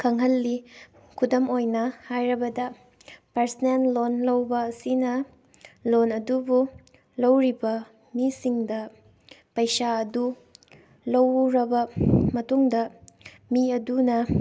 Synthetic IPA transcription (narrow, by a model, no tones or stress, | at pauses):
kʰɐŋɦɐlːi | kʰudɐmojnɐhajɾɐbɐdɐ | pɐɾsɐnellonlɐwbɐːsinɐ | lonɐdubu | lɐwɾibɐ | misiŋdɐ | pɐjsaɐdu | lɐwɾɐbɐmɐtuŋdɐ | miɐdunɐ